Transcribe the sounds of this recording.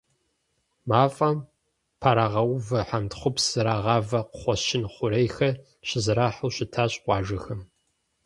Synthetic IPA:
maːfʼɐm | pʰaɾaːʁɐwvɐħantχʷʊpsɨɾaːʁɑːvɐqχʷɔʃɪnχʷʊɾejxɐ | ɕɪzɨɾaːħʊwɕɪtʰaːɕʼqʷɑːʒɐxɐm

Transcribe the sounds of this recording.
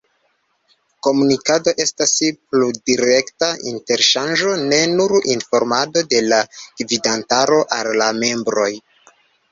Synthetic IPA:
ko̞munikado̞ʔe̞staspludiɾe̞ktaḭnte̞ɾʃand͡ʒo̞ne̞nuɾinfo̞ɾmado̞de̞lakvidantaɾo̞ʔalːame̞mbɾo̞j

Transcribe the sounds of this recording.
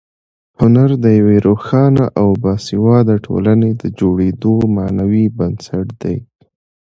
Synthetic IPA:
hʊnaɾd̪əjaweɾoxɑnaʔawbɑsiwɑd̪aʈʰo̰laned̪əd͡ʒoɽed̪omanawibənsaʈd̪̥aj

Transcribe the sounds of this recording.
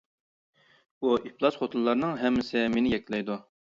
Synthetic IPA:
uʔiplˠɑsχot̪ʰulˠːɑɾnɨŋɦɛmːɪsɪmenɪjɛk̪̚ʲlɛjd̪u

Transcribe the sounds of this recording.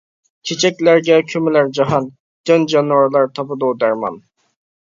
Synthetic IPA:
t͡ʃʰet͡ʃʰɛkʲlæɾɡʲɛkʲʰymɪlæɾd͡ʒɑɦɑn | d̪̥ɪnd͡ʒɑnwɑɾlˠɑɾt̪ʰɑpɨd̪ud̪æɾmɑ̰n

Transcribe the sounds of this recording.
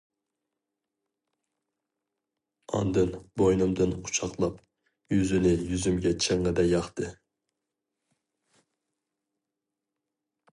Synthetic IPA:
ɑ̰nd̪ɨnbojnɨmd̪ɨnqʰʊ̥t͡ʃʰɑqlˠɑp | jyzynɪjyzymɡʲɛt͡ʃʰeŋːɨd̪ɛjɑχt̪ʰɨ

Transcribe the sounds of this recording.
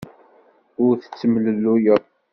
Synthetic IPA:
ʊɾθə̥t͡sːəmləlːujə

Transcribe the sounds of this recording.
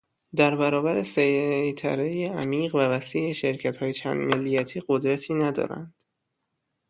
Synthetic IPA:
d̪æɾbæɾɒːbæɾesejjt̪ʰæ̰ɾejeæmiːɣvævæsiːʔeʃeɾcʰæt̪hɒːjet͡ʃʰæ̰nd̪melːijæt̪ʰiːɢod̪ɾæt̪ʰiːnæd̪ɒ̰ːɾæ̰nd̪̥

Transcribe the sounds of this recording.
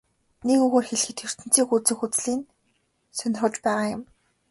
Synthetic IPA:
nekɵɣoːrxeɮ̆xɘ̆t̪xer̥t̪ɘ̆nt͡siːxut͡sɘ̆xut͡sɮiːn | sœnʲɪ̆rə̆t͡ɕpæːʁaːjʊm

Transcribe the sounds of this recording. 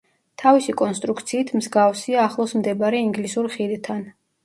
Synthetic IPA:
t̪ʰavisikʼɔnst̪ʼɾukʰt̪sʰiːt̪ʰmzɡafsiaːχlˠɔsmd̪ɛbaɾɛiŋɡlisuɾχid̪t̪ʰan

